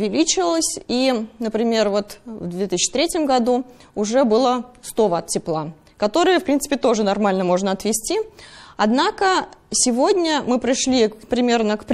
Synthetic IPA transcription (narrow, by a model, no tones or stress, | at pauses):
vʲɪlʲit͡ɕɪvəlˠəsʲinəpɾʲɪmʲe̞rvo̞t̪vd̪vʲet̪ɨsʲt͡ɕːɪ̥t̪ɾʲetʲɪmɡɐd̪u | ʊʐɛbɨlˠəst̪ovəɐt̪tʲːɪplˠa | kɐt̪o̞ɾɨjəfpɾʲint̪sɨ̥pʲɪt̪o̞ʐɨnɐrmalʲnəmo̞ʐnəɐt̪vʲɪsʲtʲiɐd̪nakəsʲɪvo̞dʲnʲəmɨpɾʲɪʂlʲipɾʲɪmʲe̞rnəkp